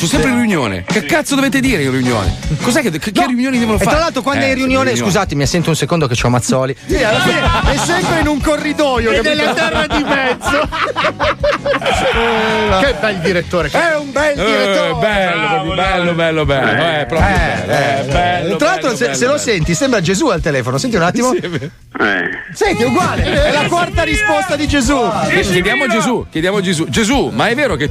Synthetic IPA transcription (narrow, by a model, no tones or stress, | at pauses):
t͡ʃusːɛmpɾeinriunjo̰ːnḛkekːat̪sod̪ovet̪ed̪iːɾeĩnriunjo̰ːnḛkozɛkːekekːerːiunjoːnid̪ɛvonofetfaɾalːalt̪ɾokwand̪oɛĩnriunjoːneskuzaːt̪emiasːɛnt̪ounsekond̪oket͡ʃamːat̪sːɔːlisialːafinɛsːɛmpɾeinuŋkorːid̪ɔːjokeelːat̪ɛrːad̪imɛd̪zo | kebɛld̪iɾet̪ːoːɾeɛumbɛld̪iɾet̪ːobɛlːobɛlːobɛlːobɛlːoɛpːɾɔɛɛt̪ɾalːalt̪ɾoseselosɛnt̪isɛmbɾad͡ʒezualt̪elɛːfonosɛnt̪̬iunat̪ːimo | ɛ̰ | sɛnt̪iuɡwaːleɛlakwart̪aɾispɔst̪ad̪id͡ʒezukjed̪jaːmod͡ʒezukʲjed̪jaːmod͡ʒezud͡ʒezumaɛvːeːɾoke